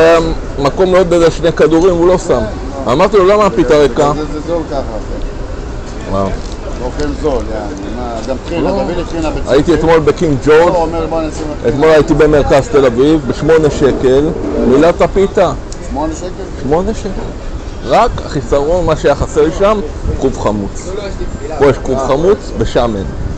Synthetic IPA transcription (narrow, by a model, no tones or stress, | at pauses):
mako̞mlod̪̚bedeʃnekad̪uʁimulo̞sam | amaʁt̪ilolamapit̪aʁekazolkaχa | wa̰ | okenzola | amaɡaminaavkinabea̰it̪iet̪mo̞lbekiŋɡd͡ʒoʁdmebonsiet̪mo̞lajit̪ibe̞meʁkazt̪e̞lavivbeʃmo̞ne̞ʃe̞ke̞lmilat̪apit̪a | on | ʃmo̞ne̞ʃekel | ʁaka̰χisaʁo̞nmaʃeajaχaseʁiʃamkʁuvχamut͡s | pojeʃkuvχamut͡sbeʃamen